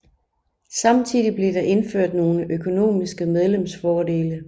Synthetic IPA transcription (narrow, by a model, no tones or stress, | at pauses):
sɑ̈mt͡sʰið̰ˠib̥le̝ɾɑ̈ʔe̝nføɐ̰d̥no̝ːləʔøkʰo̝no̝̰ːmisɡ̥əmeð̞ˠlemsfɒːd̥e̝ːlə